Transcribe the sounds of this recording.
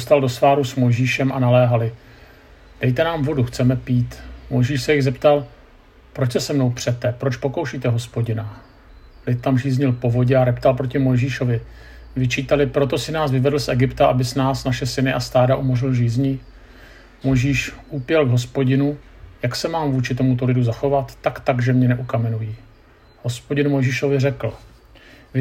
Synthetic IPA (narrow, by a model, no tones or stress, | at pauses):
ost̪aldo̞svaːɾusmo̞jʒiːʃɛmʔanalɛːɦalɪ | d̥ɛjt̪ɛnaːmvo̞duxt͡sɛmɛpiːt̪mo̞jʒiːʃsɛjɪɣzɛpt̪al | pɾo̞t͡ʃsɛsɛmno̞wpr̝̥ɛt̪ːɛpɾot͡ʃpo̞ko̞wʃiːt̪ɛɦo̞spo̞ɟɪna | lɪt̪̚t̪amʒiːzɲɪlpo̞vo̞ɟɛaɾɛpt̪alpɾo̞cɪmo̞jʒiːʃo̞vɪ | vɪt͡ʃiːt̪alɪpɾo̞t̪o̞sɪnaːsvɪvɛdl̩sʔɛɡɪpt̪aʔabɪsnaːsnaʃɛsɪnɪʔast̪aːdaʔumorɪlʒiːzɲi | mo̞jʒiːʃʔupjɛlɡɦo̞spo̞ɟɪnu | jaksɛmaːmvuːt͡ʃɪt̪̬o̞mut̪olɪduzaxo̞vat̪ːakt̪aɡʒɛmɲɛnɛʔukamɛnujiː | ho̞spo̞ɟɪnmo̞jʒiːʃo̞vɪrɛkl̩ | v